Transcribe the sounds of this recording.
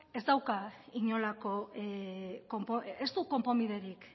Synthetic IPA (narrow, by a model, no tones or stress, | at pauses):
e̞zd̪awkaiɲo̞lako̞ | kompoest̪uko̞mpo̞miðe̞ɾik